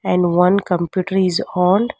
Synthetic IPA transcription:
ɛ̃ɳɖʋʌ̃nkə̃mpjuːʈəɾɪzɔːnɖ

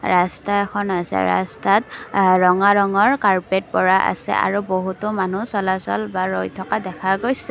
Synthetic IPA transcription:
ɹastaɛxʰɔnasɛ̰ɹa̰statɹɔŋaɹɔŋɔɹkaɹpet̚pɔɹaʔa̰sɛ̰ʔa̰ɹuboɦutʊmanusɔlasɔ̰lbaɹojtʰɔkadɛkʰaɡojsɛ

